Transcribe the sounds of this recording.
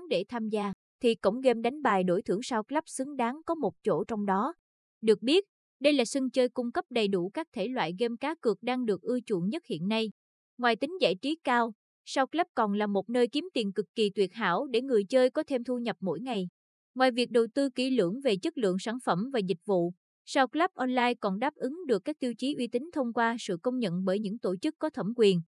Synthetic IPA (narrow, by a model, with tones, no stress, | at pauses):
ɗe˧˩t̪ʰaː˧mzaː˧ | t̪ʰi˨˩kʊ̰˧˥wŋ͡mɣe˧mɗa˨˦jŋ̟ɓaː˨˩jɗo˧˩jt̪ʰɨ˧˩əŋsaː˧wklə˦˥p̚sɨ˨˦ŋɗaː˨˦ŋkɔ˨˦mo˨˩t̚t͡ɕo̰˧˩t͡ɕɔ˧wŋ͡mɗɔ˨˦ | ɗɨ˨˩ək̚ɓi˦˥ət̚ | ɗə˧jlaː˨˩sɨ˧ŋt͡ɕəː˧jkʊ˧ŋ͡mkə˦˥p̚ɗə˨˩jɗu˧˩kaː˦˥k̚t̪ʰe˧˩lwa̰ː˧˨jɣe˧mkaː˨˦kɨ˨˩ək̚ɗaː˧ŋɗɨ˨˩ək̚ʔɨ˧t͡ɕṵ˧˩ənɲə˦˥t̚hḭ˧˨ənːa˧j | ŋwaː˨˩jt̪ï˨˦ŋ̟za̰ː˧˩jt͡ɕi˨˦kaː˧w | sa˧wklaː˦˥p̚kɔ˨˩nlaː˨˩mo˨˩t̚nəː˧jki˨˦əmt̪i˨˩ənkɨ˨˩kːi˨˩t̪wi˨˩ət̚ɦa̰ː˧˥wɗe˧˩ŋɨ˨˩əjt͡ɕəː˧jkɔ˨˦t̪ʰe˧mt̪ʰu˧ɲə˨˩p̚mo̰˧˥jŋa˨˩j | ŋwaː˨˩jvi˨˩ək̚ɗə˨˩wt̪ɨ˧ki˧˩lɨ̰˧˩əŋve˨˩t͡ɕə˦˥t̚lɨ̰˧˨əŋsaː˧˩nfə˧˩mvaː˨˩zï˨˩k̟̚vṵ˧˨ | saː˧wklaː˦˥p̚ʔɔ˧nlaː˧jkɔ˨˩nɗaː˦˥p̚ʔɨ˨˦ŋɗɨ˨˩əkːaː˦˥k̚t̪i˧əwt͡ɕi˨˦ʔwi˧t̪ï˨˦ŋ̟t̪ʰə˧wŋ͡mkwaː˧sɨ̰˧˨kə˧wŋ͡mɲə̰˧˨nɓəː˧˩jɲɨ̰˧˥ŋt̪o˧˩t͡ɕɨ˦˥kːɔ˨˦t̪ʰə˧˩mkwi˨˩ən